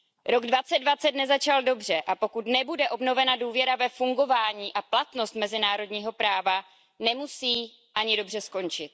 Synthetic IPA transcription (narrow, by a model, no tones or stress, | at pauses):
ɾo̞ɡdvat͡sɛd̪dvat͡sɛt̪nɛzat͡ʃaldo̞br̝ɛʔapo̞kut̪nɛbudɛʔo̞bno̞vɛnaduːvjɛɾavɛfuŋɡo̞vaːɲiːʔaplat̪no̞st̪mɛzɪnaːɾo̞dɲiːɦo̞pɾaːva | nɛmusiː | ʔaɲɪdo̞br̝ɛsko̞nt͡ʃɪt̪̚